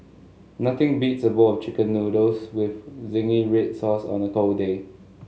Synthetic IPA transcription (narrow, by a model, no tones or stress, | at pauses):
nat̪ɪ̃ŋbitsəboɔft͡ʃikə̃nːudoswɪfzɪ̃ŋiɹet̚sɔsɔ̰̃nəkolde